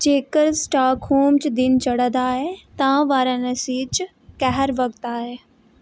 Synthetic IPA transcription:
d͡ʑeːkəɾsʈaːkɦoːmt͡ɕd̪ɪnt͡ɕɐɽə̃d̪aːɦet̪ɐ̃ʋaːɾənɐsiːt͡ɕ | kɛɦəɾʋɐk̚t̪aːɦeː

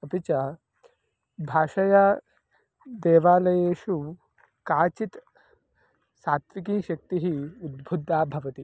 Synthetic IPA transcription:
ɐpit͡ʃɐ | bʱaːʂɐja | d̪eːʋaːlɐjeːʃu | kaːt͡ʃit̪ | saːt̪ʋikiːʃɐk̚t̪iɦiud̪bʱud̪ʱːaːbʱɐʋɐt̪i

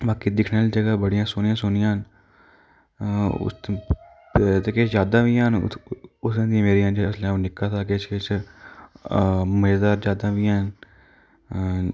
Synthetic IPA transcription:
baːkiːd̪ɪkʰnaːlːd͡ʒəɡaːbəɽɪjãːsʊnjãːsʊnɪjãːn | ʊ̰s | t̪eːkeːt͡ʃd͡ʒaːd̪ãːʋiːãːɦnʊsãːd̪ĩːmeːɾijãːd͡ʒslãːõːnɪkːaːt̪ʰaːket͡ʃket͡ʃ | məd͡ʒd̪aːɾd͡ʒjaːd̪ãːʋiːãːn

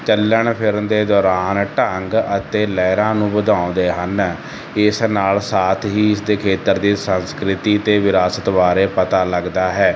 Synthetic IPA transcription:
t͡ʃəlːəɳpʰɪɾd̪eːd̪ɔːɾaːnʈəŋɡət̪eːlɛːɾãːnũːbəd̪ãːõnd̪eːɦən | ɪsnaːlsaːt̪ʰɦiːɪsd̪eːkʰeːt̪əɾd̪iːsənskɾɪt̪iːt̪eːʋɪɾaːsət̪ʋaːɾeːpət̪aːləɡd̪aːɦɛː

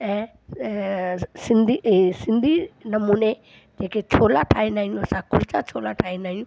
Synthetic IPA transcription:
ɛ̃ː | sɪ̃nd̪ʱisɪ̃nd̪ʱinɐmuːne | d͡ʑeːket͡ɕʰoːlaʈʰaːĩndaːĩũɐsãkʊɾt͡ɕat͡ɕʰoːlaʈʰaːĩnd̪aːɦĩjũ

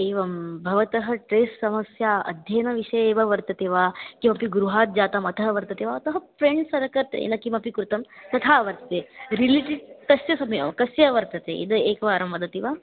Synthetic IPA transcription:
eːʋɐmbʱɐʋɐt̪ɐɦɐʈɾeːsːɐmɐsjaːɐ̰d̪ʱjɐːnɐʋiʂɐjeːʋɐʋɐɾt̪ɐt̪eːʋaːkimɐpiɡuɾuɦaːt̪̚d͡ʒaːt̪ɐmɐt̪ʰɐɦɐʋɐɾt̪ɐt̪eːʋaɐt̪ɐɦɐfɾeɳɖsɐɾɐkɐɾt̪ḛːnɐkimɐpikɾut̪ɐmt̪ɐt̪ʰaːɐʋɐɾt̪ɐt̪eːɾiliʈiɖt̪ɐsjɐsɐmeʋɐmkɐsjɐʋɐɾt̪ɐt̪ḛːʔḭd̪ɐeːkɐʋaːɾɐmʋɐd̪ɐt̪iʋaː

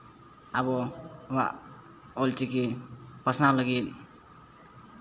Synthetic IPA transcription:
abɔwa̰ʔ | ɔlt͡ʃikʰipasnawlaɡit̚

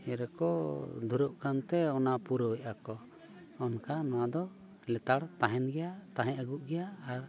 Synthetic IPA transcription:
ɛɾɛkɔd̪ʱuɾɔʔkant̪ɛɔnapuɾɔʔakɔ | ɔnkanaad̪ɔ | lɛt̪aɽt̪aɦɛnɡɛjat̪aɦɛ̃ʔəɡuʔɡɛjaːɾ

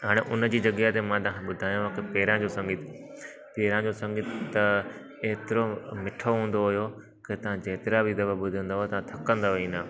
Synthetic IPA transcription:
ɦaːɽ̃eʔʊnəd͡ʑiːd͡ʑɐɡjaɦt̪emãt̪ɐãkʰẽɓʊd̪ʱaːjũakepeːɾãd͡ʑoːsɐ̃ŋɡɪt̪ʰ | peːɾãd͡ʑoːsɐ̃ŋɡɪt̪ʰt̪ɐ | eːt̪ɪɾomɪʈʰoɦũːnd̪oɦʊjo | ket̪ɐʋ̤ãd͡ʑeɦt̪ɪɾabʱid̪ɐbəbʊd̪ʱə̃nd̪aɦoet̪ɐʋãt̪ʰɐkə̃nd̪aʋeĩːnd̪aː

